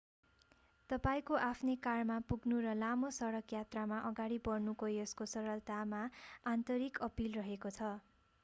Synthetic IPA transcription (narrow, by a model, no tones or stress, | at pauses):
t̪ʌpaĩkoʔapʰnekarmapuɡnuɾʌlamosʌɽʌkjat̪ramaʔʌɡaɽipʌrnukʌjʌskosʌɾʌlt̪amaant̪ʌɾikʌpilrʌɦekot͡sʰʌ